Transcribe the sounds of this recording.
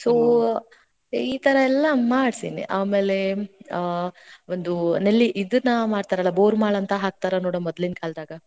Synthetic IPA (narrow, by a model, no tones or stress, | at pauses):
soː | iːt̪ɐɾɐɛlːɐmaːɽsinḭʔaːme̞ːle̞ | ond̪unelːiʔid̪unɐmaːɽt̪aːɾɐlːɐboːɾmaːɭɐnt̪ɐɦaːk̚t̪aːɾɐnoːɽomɔd̪linkʰaːld̪aːɡɐ